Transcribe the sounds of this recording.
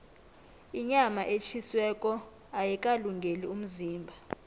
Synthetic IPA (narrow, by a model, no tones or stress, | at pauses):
iɲamaʔet͡ʃʰiswɛkʼɔ | ajikʼaluŋɡʱelium̩ziːmbʱa